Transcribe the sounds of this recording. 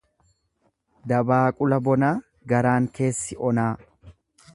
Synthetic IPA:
d̪ɐbaːkʼʊlɐbɔnaː | ɡɐɾaːŋke̞ːsːɪʔɔnaː

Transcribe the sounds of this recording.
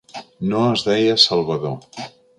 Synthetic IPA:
noəzðɛjəsəlˠβəðo

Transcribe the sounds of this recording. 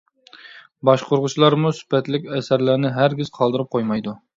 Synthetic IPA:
bɑʃqʰoɾʁʊt͡ʃʰilˠɑɾmusy̥pɛt̪lɪkʲɛsæɾlæɾnɪɦæɾɡʲiz̥qʰɑlˠd̪ɨɾɨp̚qʰojmɑjd̪u

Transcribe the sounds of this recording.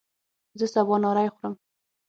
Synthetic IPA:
zəsabɑnɑɾajxʊɾəm

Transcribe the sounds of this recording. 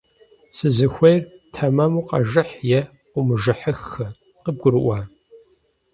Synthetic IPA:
sɨzɨxʷejrtʰɐmɐmuːqɐ̰ʒɨħjɛ | qʷʊmɨʒɨħəxɐ | qəb̚ɡʷʊɾɨʔʷaː

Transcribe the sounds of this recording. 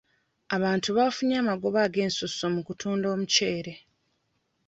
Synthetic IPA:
aβaːntuβaːfuɲaːmaɡo̞βaːɡe̞ːnsusomukutʰuːndo̞ːmuce̞ːɾe̞

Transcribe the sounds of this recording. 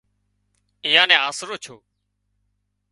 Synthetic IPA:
ɪjãːnɛ̃ːaːsɾoːt͡ʃʰoː

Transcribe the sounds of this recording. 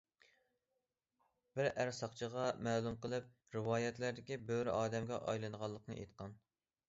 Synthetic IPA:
b̥ɪɾæɾsɑqt͡ʃʰəʁɑmæːlˠumqəlˠɨp̚ | ɾɪwɑːjɛt̪læɾd̪ɪkʲibøɾʔɑːd̪ɛmɡʲɛ̰ʔɑ̰jlˠɨnʁɑlˠːəqnɨ̰ʔḛjt̪qɑn

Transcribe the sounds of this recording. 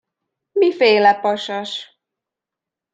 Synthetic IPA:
mifeːlɛpɒʃɒʃ

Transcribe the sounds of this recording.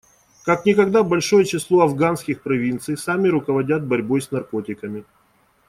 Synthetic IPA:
kaknʲɪkɐɡd̪abɐlʲʂo̞jɛt͡ɕɪslˠo̞ɐvɡanskʲɪxpɾɐvʲint̪sɨjsamʲɪɾʊkəvɐdʲat̪̚bɐɾʲbo̞jsnɐrko̞tʲɪkəmʲɪ

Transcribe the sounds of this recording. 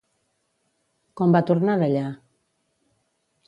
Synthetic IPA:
kɔmbat̪uɾnaðaʎa

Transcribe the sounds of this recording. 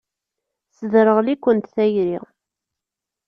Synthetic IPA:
sðɾəʁlikʷːənt̪θæjɾḭ

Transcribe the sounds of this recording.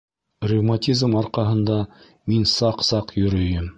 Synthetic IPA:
rʲivmatʲizmɑɾqɑɦɤ̆nd̪ɑ | minsɑqsɑqjɵ̆ɾɵ̆jɘm

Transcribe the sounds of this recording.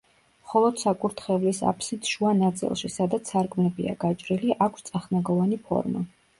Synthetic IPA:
mχɔlˠɔd̪̥sakʼuɾt̪ʰχɛvlisa̰pʰsit̪ʃuanat̪sʼḭlˠʃisad̪at̪sʰaɾɡmɛbia̰ɡat͡ʃʼɾiliʔakʷʰst̪sʼaχnaɡɔvanipʰɔ̰ɾma̰

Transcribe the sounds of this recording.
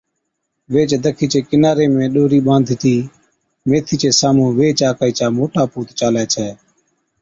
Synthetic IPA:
ʋeːt͡ʃd̪əkʰiːt͡ʃeːkɪnaːɾeːmẽːɗoːɾiːɓãːnd̪ʱɪt̪ʰiː | meːt̪ʰiːt͡ʃeːsaːmõːʋeːt͡ʃaːkaːiːt͡ʃaːmoːʈaːpuːt̪t͡ʃaːlɛːt͡ʃʰɛː

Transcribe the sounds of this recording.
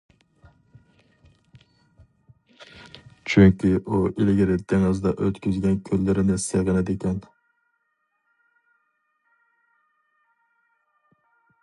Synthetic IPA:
t͡ʃʰyŋkʲʰiʔuʔilɡʲɪɾɪd̪ʰeŋɨzd̪ɛʔøt̪kʲʰyzɡʲɛnkʲʰølːɪɾɪnɪseʁɨnɨd̪ekʲʰɛn

